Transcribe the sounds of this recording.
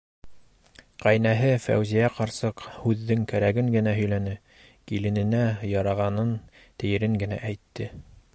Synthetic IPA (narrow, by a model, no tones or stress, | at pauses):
qæjnæɦɘfæ̰wzijæqɑɾsɤqhʉðːɘŋkæɾæɡɘŋɡɘ̆næɦɵ̆jlænɘ | kilɘ̆nɘ̆næjɑɾɑʁɑnɤn | t̪ɘ̆jɘ̆ɾɘŋɡɘ̆næ̰ʔæjt̪ːɘ